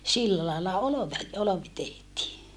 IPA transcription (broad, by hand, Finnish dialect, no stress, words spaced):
silːæ lɑilːɑ oloʋe oloʋi tehtiː